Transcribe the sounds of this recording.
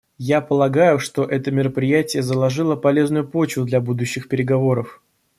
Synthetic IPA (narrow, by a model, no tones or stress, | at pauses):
japəlˠɐɡajʊʂt̪o̞ʔɛt̪əmʲɪɾəpɾʲɪjætʲɪjəzəlˠɐʐɨlˠəpɐlʲe̞znʊjʊpo̞t͡ɕvʊd̪lʲabud̪ʊɕːɪxpʲɪɾʲɪɡɐvo̞ɾəf